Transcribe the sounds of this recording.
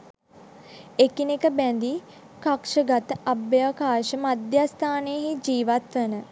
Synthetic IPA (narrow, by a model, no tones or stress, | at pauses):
ekinekəbænd̪i | kakʂəɡat̪əʔabjaːkaːʃəmad̪jast̪ʰaːneɦid͡ʒiːʋat̪ʋənə